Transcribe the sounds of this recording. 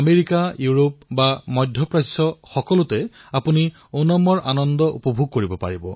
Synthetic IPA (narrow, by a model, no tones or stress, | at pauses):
ameɹikajuɹopbamɔdʱːɔpɹasɔxɔkɔlʊtɛapuni | onɔmɔɹʔanɔndɔʔṵpɔbʱuɡ̚koɹibɔpa̰ɹibɔ